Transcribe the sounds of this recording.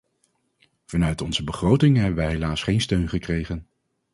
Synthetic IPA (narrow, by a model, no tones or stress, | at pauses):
v̥ɑnœɥtɔnz̥əbəχrowtɪŋɦɛbənʋɛjɦejlaːsχejnstøɥnχəkrejχən